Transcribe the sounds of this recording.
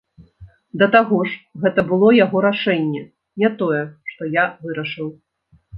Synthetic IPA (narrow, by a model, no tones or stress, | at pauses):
d̪ɐt̪aɣɔʂɣɛt̪ɐbɨlˠɔjaɣɔɾaʂɛnʲːɛ | nʲɛt̪ɔjɛʂt̪ɔjavɨɾɐʂɨw